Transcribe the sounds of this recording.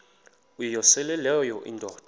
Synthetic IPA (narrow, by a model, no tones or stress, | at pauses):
ujijɔsɛlɛlɛjɔʔḭndʱɔːd̥ʱ